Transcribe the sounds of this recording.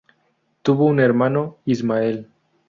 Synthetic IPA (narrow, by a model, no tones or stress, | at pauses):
t̪uβouneɾmanoizmael